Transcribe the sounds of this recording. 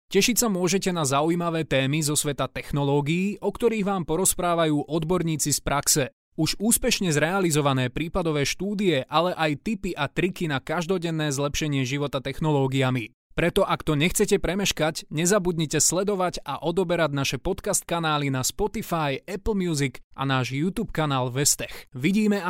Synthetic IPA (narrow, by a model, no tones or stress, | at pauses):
cɛʃicʲsamʊɔʒɛcɛnazaujmaʋɛːt̪ɛːmizɔsʋɛt̪at̪ɛxnɔlɔːɡiːʔɔkt̪ɔɾiːɣʋaːmpɔɾɔspɾaːʋajuːʔɔd̪bɔɾɲiːt͡sispɾʔaksɛ | uʒuːspɛʃɲɛzɾɛalizɔʋanɛːpɾiːpad̪ɔʋɛːʃt̪uːd̪iɛʔalɛʔajt̪ipiʔat̪ɾikinakaʒd̪ɔɟɛnːɛːzlɛpʃɛɲɪɛʒiʋɔt̪at̪ɛxnɔlɔːɡiami | pɾɛt̪ɔʔakt̪ɔɲɛxt͡sɛcɛpɾɛmɛʃkacɲɛzabud̪ɲicɛslɛd̪ɔʋaɟaʔɔd̪ɔbɛɾaɟnaʃɛpɔt̪kast̪̚kanaːlinaspɔt̪ifajɛpl̩ˠmjuːzikʔa̰naːʒjut̪uːpkanaːlʋɛst̪ɛxʋiɟiːmɛa